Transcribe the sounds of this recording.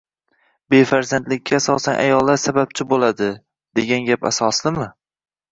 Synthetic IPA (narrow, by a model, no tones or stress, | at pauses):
be̞faɾzand̪lɪkʲʰːaːsɒsanʔa̰jɒlˠːaɾsabap̚t͡ʃʰɪbolˠad̪ɪ | d̪̥e̞ɡʲanɡʲapa̰sɒslɪmɪ